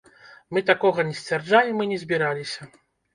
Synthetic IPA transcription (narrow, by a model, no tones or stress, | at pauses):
mɨt̪akɔɣɐnʲɛsʲt͡sʲvʲɛrd͡ʐajʲɛmɨnʲɛzʲbʲiɾalʲisʲɐ